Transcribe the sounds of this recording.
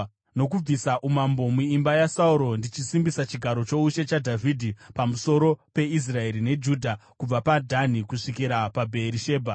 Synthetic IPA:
no̞kub͡visaʔumambo̞muimbajasauɾo̞ndit͡ʃisimbisat͡ʃiɡʱaɾo̞t͡ʃo̞uʃe̞t͡ʃadʱavʱidʱipamuso̞ɾo̞pe̞is̬rae̞ɾine̞d͡ʒuːdʱakub͡vapadʱanikuʂikiɾapabʱe̞ɾiʃe̞ːbʱa

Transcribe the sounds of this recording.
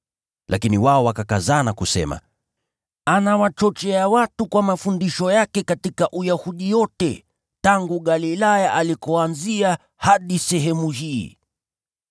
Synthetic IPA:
lʔakiniwaɔwakakazaːnakusɛ̰ma̰ | anawat͡ʃɔt͡ʃɛawatukwamafundiʃɔjakɛkatikaʔujahuɗijɔtɛ | taŋɡuɠalilajaʔalikɔanzia | haɗisɛɦɛmuhiː

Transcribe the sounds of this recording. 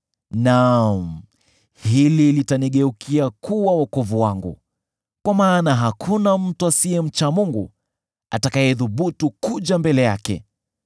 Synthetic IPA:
nam̩ | hililitaniɠɛukʰiakʰuwawakɔvuwaŋɡṵ | kwamaːnaɦakʰunam̩tuasiɛm̩t͡ʃamuŋɡṵ | a̰takajɛðuɓutukuʄambɛlɛja̰kɛ̰

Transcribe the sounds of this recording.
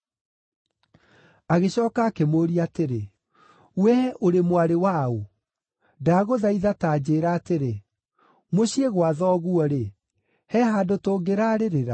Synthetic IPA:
aɣeɕɔːkaːkemoːɾiateɾe | wɛʔoɾemwaɾewao | daːɣoðaiðataːd͡ʑeːɾaːteɾe | moɕieɣwaðɔːɣuɔɾe | hɛɦadotoːɡeɾaɾeɾeɾa

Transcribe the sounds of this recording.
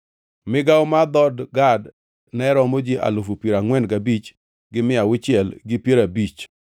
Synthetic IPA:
mɪɡawmad̪ɔdɡad | nɛɾɔmod͡ʒiʔa̰lofupiɾaŋwɛnɡabit͡ʃ | ɡɪmɪawɪt͡ʃɪɛlɡɪpjeɾabit͡ʃ

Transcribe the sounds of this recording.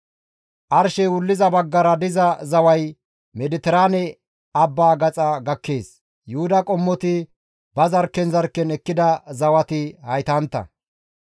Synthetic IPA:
ʔɐɾʃɛwʊlːɪzɐbɐɡːɐɾɐd̪ɪzɐzɐwɐj | mɛd̪ɪt̪ɛɾaːnɛ | ɐbːaːɡɐt͡sʼɐɡɐkːe̞ːs | jʊhʊd̪ɐkʼɔmːɔt̪ɪ | bɐzɐɾkːɛnzɐɾkːɛnɛkːɪd̪ɐzɐwɐt̪ɪhɐjt̪ɐnt̪ːɐ̰

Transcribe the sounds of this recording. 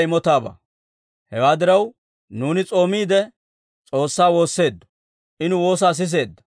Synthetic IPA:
jɪmɔt̪aːbɐ̰ | hɛwaːd̪ɪɾɐw | nuːnɪt͡sʼo̞ːmiːd̪ɛ | t͡sʼo̞ːsːaːwo̞ːsːe̞ːd̪ːɔ̥ | ʔɪnʊwo̞ːs̬aːs̬ɪs̬e̞ːd̪ːɐ̥

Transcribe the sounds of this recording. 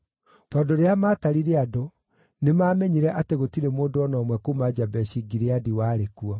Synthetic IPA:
tɔdoɾeamaːtaɾiɾeado | nemaːmɛɲiɾɛʔateɣotiɾemoːdoɔnɔːmwɛkomad͡ʑabɛɕiɡiɾeadiwaːɾekuɔ

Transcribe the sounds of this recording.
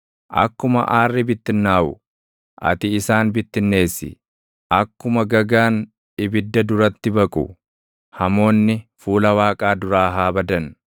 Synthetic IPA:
ʔɐ̰kːʊmɐ̰ʔaːrːɪbɪt̪ːɪnːaːʔʊ | ʔɐ̰t̪ɪːsaːnbɪt̪ːɪnːe̞ːsːɪ̰ | ʔɐkːʊmɐɡɐɡaːn | ɪbɪd̪ːɐd̪ʊɾɐt̪ːɪbɐkʼʊ̰ | hɐmo̞ːnːɪfuːlɐwaːkʼaːd̪ʊɾaːɦaːbɐd̪ɐn

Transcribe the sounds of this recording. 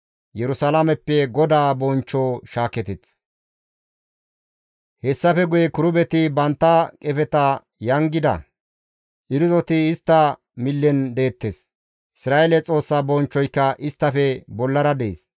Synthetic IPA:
jɛɾʊsɐlamɛpːɛɡɔd̪aːbɔnt͡ʃːoːʃaːkɛt̪ɛt͡s | hɛsːɐfɛɡʊjɛkʊɾʊbɛt̪ɪbɐnt̪ːɐkʼɛfɛt̪ɐ | jɐŋɡɪd̪ɐ̰ | ʔɪɾʊzɔt̪ɪːst̪ːɐ | mɪlːɛnd̪e̞ːt̪ːes | ʔɪsɾaːʔelɛt͡sʼo̞ːsːaːbɔnt͡ʃːɔjkːɐʔɪst̪ːɐfɛbɔlːɐɾɐd̪ḛːs

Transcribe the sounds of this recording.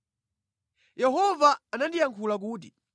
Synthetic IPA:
jɛɦɔvaːnandijaŋkʰulak̬uːti

